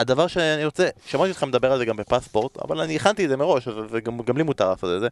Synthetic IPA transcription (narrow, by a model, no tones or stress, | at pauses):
ad̪avaʁʃeaniʁo̞t͡seʃamat̪iot̪χemed̪abe̞ʁalzeɡambe̞paspo̞ʁt̪a̰va̰lanieχant̪iedzemeʁo̞ʃveveɡamɡamlimut̪aʁlaːsot̪beze